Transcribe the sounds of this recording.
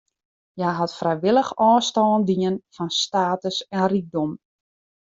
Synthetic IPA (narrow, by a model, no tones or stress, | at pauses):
jaɦatfrɛjʋɪləxɔːstɔːndiənfɔnstaːtəsɛnrik̚dɔm